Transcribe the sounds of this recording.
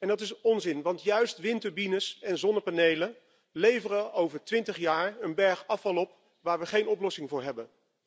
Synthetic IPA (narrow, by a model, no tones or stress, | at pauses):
ɛndɑtɪsɔnzɪnʋɑntjœɥstʋɪntəɹbinəsɛnzɔnəpanejlən | lejvərəowvəɹtʋɪntəχjaːɹənbɛɹχɑfɑlˠɔp̚ | ʋaːɹʋəχejnɔplɔsɪŋvʊːɹɦɛbən